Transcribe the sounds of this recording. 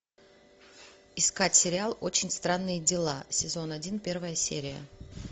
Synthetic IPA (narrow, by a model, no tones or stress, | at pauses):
ɪskatʲsʲɪɾʲɪalˠot͡ɕɪnʲst̪ɾanːɨjədʲɪlˠa̰sʲɪzo̞nɐdʲinpʲe̞rvəjəsʲḛɾʲɪjə̰